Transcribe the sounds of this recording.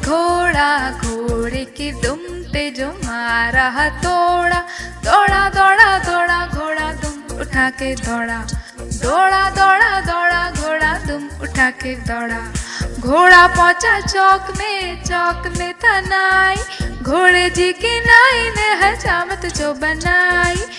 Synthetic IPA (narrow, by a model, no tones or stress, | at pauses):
ɡʱoɽaɡʱoɽekid̪ʊm | t̪ed͡ʒomaɾaɦət̪oɽad̪ɔɽad̪ɔːɽad̪ɔːɽaɡʱoːɽad̪ʊmʊʈʰaked̪ɔːɽa | d̪ɔɽad̪ɔɽad̪ɔɽaɡʱoːɽad̪ʊmʊʈʰaked̪ɔːɽaɡʱoːɽapɔ̃ːt͡ʃat͡ʃɔkmet͡ʃɔːkmet̪ɐnaiɡʱoːɽed͡ʒikinaːineɦɐt͡ʃamət̪d͡ʒobənaːi